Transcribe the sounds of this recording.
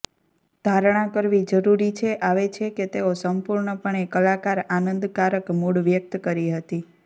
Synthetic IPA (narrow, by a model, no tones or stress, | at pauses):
d̪ʱaɾɳ̃ãkəɾʋid͡ʒəɾuɾit͡ʃʰeʔaʋet͡ʃʰeket̪eosəmpuɾɳəpəɳekəlakaɾanənd̪kaɾəkmuɭʋjək̚t̪kəɾiɦət̪i